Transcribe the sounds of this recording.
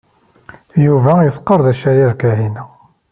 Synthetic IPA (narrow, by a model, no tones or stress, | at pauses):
juvæjəsqːəɾðæʃæjæðkæɦinæ